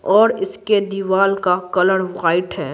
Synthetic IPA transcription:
ɔːɾɪsked̪iʋaːlkakɐləɽʋɣaːɪʈɦɛː

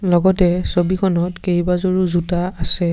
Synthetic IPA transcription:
lɔɡɔtɛsobikʰɔnɔtkejbazoɹuzutaːsɛ

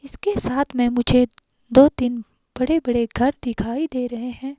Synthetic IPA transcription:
ɪskesaːt̪ʰmɛ̃ːmʊd͡ʒʱe | d̪oːt̪in | b̥ɐɽebɐɽeɡʱɐɾd̪ɪkʰaːid̪eːɾɐɦeɦɛ̃ː

